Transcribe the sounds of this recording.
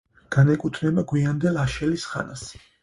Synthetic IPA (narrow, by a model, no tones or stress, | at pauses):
ɡ̥anɛkʼut̪ʰnɛbaɡwiand̪ɛlaʃɛlisχa̰nas